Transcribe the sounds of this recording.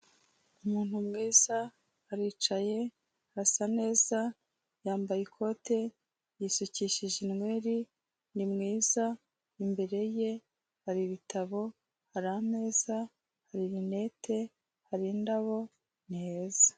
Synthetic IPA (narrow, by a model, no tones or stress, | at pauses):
umuːn̥humŋiːza | haɾiːt͡ʃaje̞ | hasane̞ːza | jaːmbajikʰo̞te̞ | jisuciʃiʒinŋwe̞ːɾi | nimŋiːza | imbe̞ɾe̞je̞ | haɾiβitaβo̞ | haɾane̞ːza | haɾiɾine̞ːtʰe̞ | haɾindaβo̞ | neːzḁ